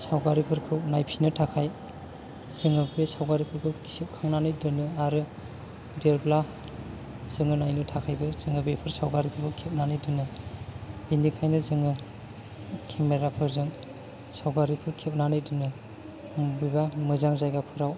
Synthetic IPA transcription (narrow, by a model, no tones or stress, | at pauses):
sawɡaɾipʰɯɾkʰɯwnajpʰinɯtʰakʰaj | z̥ɯŋɯbbesawɡaɾipʰɯɾkʰɯwksip̚kʰaŋnanɯjdɯnɯaɾɯ | deɾbla | z̥ɯŋɯnajnɯtʰakʰajbɯz̥ɯŋɯbepʰɯɾsawɡaɾipʰɯpʰɯkʰep̚nanɯjdɯnɯ | binikʰajnɯzɯŋɯ | kʰemeɾapʰɯɾzɯŋ | sawɡaɾipʰɯɾkʰep̚nanɯjdɯnɯ | bibamɯzaŋzajɡapʰɯɾaw